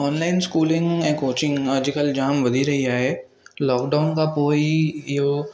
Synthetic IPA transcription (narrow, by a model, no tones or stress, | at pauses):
ɔːnlaːɪnskuːlɪ̃ŋɡɛ̃koːt͡ʃɪ̃ŋɡəd͡ʒikəld͡ʒaːmʋɐd̪ʱiɾɐɦiaːɦɛ | lɔːkɖaːʊnkapoːijo